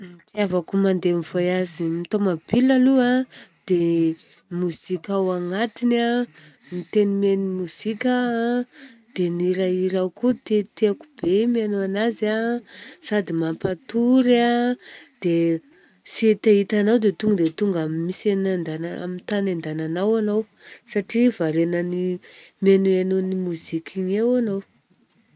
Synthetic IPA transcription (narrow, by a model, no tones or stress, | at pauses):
mit̪iavakumand̪emivojazimit̪omabilaluad̪̥e | muz̥ikʲawaŋat̪inamit̪enimenimuz̥ikʲa | d̪̥eniɾaiɾawkut̪et̪eakub̥emianoanazasad̪imampat̪uɾad̪̥e | set̪ait̪anawd̪et̪uŋɡəd̪et̪uŋɡamimisenand̪anaa̰mit̪anand̪ananawanaw | saʈ͡ʂivaɾenənimianoanonimuzikʲiɲewanow